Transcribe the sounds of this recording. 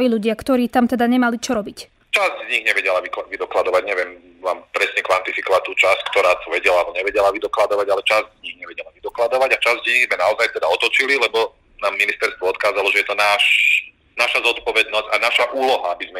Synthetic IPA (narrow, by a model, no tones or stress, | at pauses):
ʋiʎuɟɪakt̪ɔɾiːt̪amt̪ɛd̪aɲɛmalit͡ʃɔɾɔbic | t͡ʃazɟzɲiɣɲɛʋɛɟɛlaʋiklaʋid̪ɔklad̪ɔʋaɟɲɛʋɛm | ʋaːmpɾɛsɲɛkʋant̪ifikɔʋat̪uːt͡ʃasckt̪ɔɾaːt̪ɔʋɛɟɛlaalbɔɲɛʋɛɟɛlaʋid̪ɔklad̪ɔʋaɟalɛt͡ʃazɟzɲiɣɲɛʋɛɟɛlaʋid̪ɔklad̪ɔʋaɟat͡ʃazɟzɲiɣzmɛnaɔzajt̪ɛd̪aɔt̪ɔt͡ʃililɛbɔ | naːmːinist̪ɛɾst̪ʋɔɔt̪kaːzalɔʒɛjɛt̪ɔnaːʃ | naʃazɔt̪pɔʋɛd̪nɔzɟ̥anaʃaʔuːlɔɦaabizmɛ